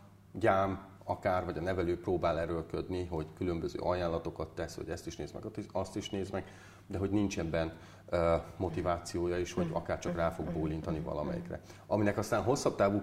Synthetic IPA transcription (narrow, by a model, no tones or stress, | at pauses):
ɟaːm | ɒkaːrvɒɟɒnɛvɛløːproːbaːlɛɾølkø̞d̪niɦo̞ɟkylø̞mbøzø̰ːʔɒjaːnlɒt̪o̞kɒt̪ːɛsho̰ɟɛst̪iʃnḛːzmɛ̰ɡ̪ɒst̪iʃneːzmɛɡ | d̪ɛɦo̞ɟnint͡ʃɛbːɛn | mo̞t̪ivaːt̪sijoːjɒiʃho̞ɟɒ̰kaːrt͡ʃɒkraːfo̞ɡ̚boːlint̪ɒnivɒ̰lɒ̰mɛ̰jḭkrɛ̰ɒminɛkɒst̪aːnɦo̞sːɒb̚t̪aːvuː